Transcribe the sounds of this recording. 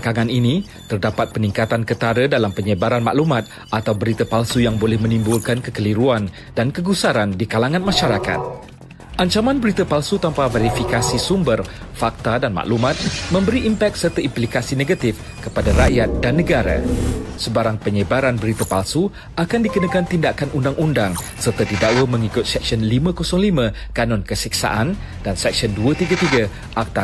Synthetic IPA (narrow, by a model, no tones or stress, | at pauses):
kaŋãninĩ | t̪ərdapat̪̚pənĩŋkat̪ankət̪aɾədalampəɲəbaɾanma̰ʔlumãt̪̚ | ʔat̪awbəɾit̪əpalsujaŋbolɛhmə̃nĩmbulkankəkəliɾuan | dankəɡusaɾandikalaŋãnmãʃaɾaka̰t̪̚ | ʔaɲt͡ʃamãnbəɾit̪əpalsut̪ampaveɾifikasisumbərfak̚t̪adanmã̰ʔlumãt̪̚mə̃mbəɾiʔimpɛk̪̚sərt̪əimplikasinẽɡat̪if | kəpadaɾajat̪̚danːə̃ɡaɾa̰səbaɾaŋpəɲəbaɾanbəɾit̪apalsu | akandikənakant̪indakanʔundaŋʔundaŋ | sərt̪at̪idaʔwəmə̃ŋikʊt̪̚sɛk̚siɔnlimãkɔsɔŋlimãkanɔ̃nkəsik̚sa̰ʔan | dansɛk̚siɔnduat̪iɡat̪iɡa | ʔak̚t̪a